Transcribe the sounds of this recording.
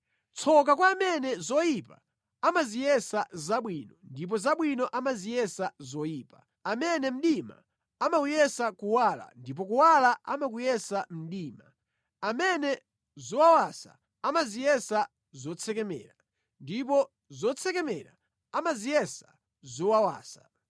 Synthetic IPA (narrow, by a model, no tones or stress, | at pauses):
t͡sʰɔk̬akwaːmɛnɛzɔjipa̰ | amazijɛsazaɓwinɔndip̬ɔzaɓwinɔʔamazijɛsazɔjiːpa | amɛnɛm̩ɗima̰ | amaujɛsakuwaːla̰ndip̬ɔkuwalaa̰makujɛsam̩ɗiːma̰ | amɛnɛ | zɔwawasa̰ | amazijɛsa | zɔt͡sʰɛkɛmɛ̰ːɾa | ndip̬ɔ | zɔt͡sʰɛkɛmɛɾa̰ | amazijɛsa | zɔwawa̰ːsḁ